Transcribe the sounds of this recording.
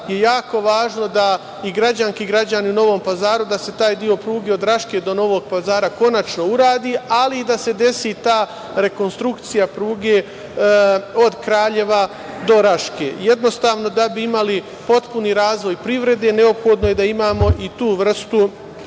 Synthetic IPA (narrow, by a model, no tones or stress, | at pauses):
jejaːko̞ʋaːʒno̞d̪a | iɡɾad͡ʑaŋskiːɡɾad͡ʑaniuno̞ʋo̞ːmpazaːɾud̪ase̞t̪aːjd̪io̞pɾuːɡe̞o̞d̪ɾaʃke̞ːd̪o̞no̞ʋo̞ɡ̚pazaːɾako̞nat͡ʃno̞uɾaːd̪iːaliːd̪ase̞d̪e̞sit̪aː | ɾe̞ko̞nst̪ɾukt̪sijapɾuːɡe̞ː | o̞d̪kɾaːʎe̞ʋa | d̪o̞ɾaʃkeːjed̪no̞st̪aːʋno̞d̪abiimali | po̞t̪puniːɾaːzʋo̞jpɾiʋɾe̞d̪e̞ne̞o̞pxo̞d̪no̞jed̪aimaːmo̞ʔit̪uːʋr̩st̪u